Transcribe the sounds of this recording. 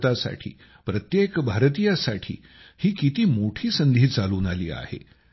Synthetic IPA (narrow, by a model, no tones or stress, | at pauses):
t̪asa̰ʈʰḭː | pɾət̪jekbʱaɾt̪ijasaʈʰḭː | hiːkit̪iːmoʈʰiːsənd̪ʱiːt͡saluːnalḭːa̰hḛ